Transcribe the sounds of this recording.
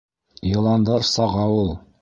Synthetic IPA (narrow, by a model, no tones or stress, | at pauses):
jɤ̆lˠɑnd̪ɤɾsɑʁɑwulˠ